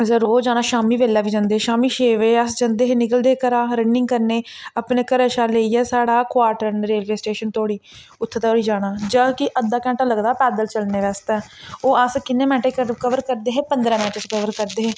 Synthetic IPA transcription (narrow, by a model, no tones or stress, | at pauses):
səɾoːd͡ʒaːɽ̃ãːʃaːmiːʋeːlaːʋiːd͡ʒãːnd̪eːɦeːʃaːmiːʃeːʋeːəsd͡ʒãːnd̪eːɦeːnɪkəld̪eːkəɾaːɾənːɪ̃ŋɡkəɾneːapneːkəɾəːʃaːleːiːɛːsaːɽaːkʋaːɾʈəɾnɾeːlʋeːsʈeːʃənt̪ʰoːɽiː | ʊt̪ʰːt̪oːɽiːd͡ʒaːɽ̃aːd͡ʒaːkɪʔəd̪aːkɛ̃ːɳʈaːləɡd̪aːpɛːd̪əlt͡ʃəlneːʋɛːst̪ɛːoːəskɪnːẽːmɛ̃ːʈeːkəkəʋəɾkəɾd̪eːɦeːpənd̪ɾãːmɛːʈeɾəkəʋəɾkəɾd̪eːɦeː